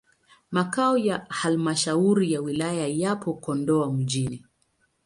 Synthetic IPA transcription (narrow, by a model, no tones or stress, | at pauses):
makaɔjahalmaʃauɾijawilajajapʰɔkɔndɔam̩ʄini